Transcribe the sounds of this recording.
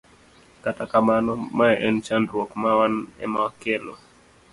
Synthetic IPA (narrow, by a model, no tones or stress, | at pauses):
katakamanɔmaɛʔɛnt͡ʃandɾwɔkmawanɛ̰makelɔ̰